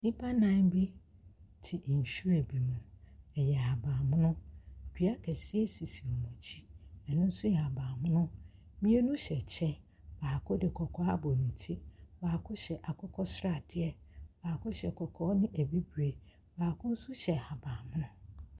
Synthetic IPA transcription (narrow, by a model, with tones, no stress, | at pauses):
nĩ˦pʰa˦nã˦nbi˦ | tʰɪ˨ʔn̩˨ɕᶣu˦ɾæ˨bi˨mũ˨ɛ˨jɛ˨a˨bãː˨mʊ̃˦nʊ̃˦˨kʰᶣi˨˦a˦kʰɛ˨si˦e˦si˨si˨ɔ˨mɔ̃˨t͡ɕʰi˦ɛ˨nʊ̃˦n̩˦sʊ˦jɛ˨a˨bãː˨mʊ̃˦nʊ̃˦ | mĩ˦e˦nʊ̃˦ɕɛ˨t͡ɕʰɛ˦ | baː˨kʰʊ˦dɪ˨kʰɔ˨kʰɔ˦a˦bɔ˨nĩ˨tʰi˦baː˨kʰʊ˦ɕɛ˨ʔa˨kʰɔ˦kʰɔ˦sɾa˨d̥ɪ˦ɛ˦baː˨kʰʊ˦ɕɛ˨kʰɔ˨kʰɔː˦nɪ̃˦ʔæ˨bi˦bɾe˨ | baː˨kʰʊ̃˦n̩˦sʊ˦ɕɛ˨a˨bãː˨mʊ̃˦nʊ̃˦